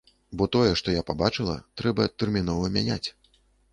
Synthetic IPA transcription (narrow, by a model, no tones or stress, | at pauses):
bɔt̪ɔjɛʂt̪ɔjapabat͡ʂɨlˠɐ̰t̪ɾɛbɐt̪ɛrmʲinɔvɐmʲanʲa̰t͡sʲ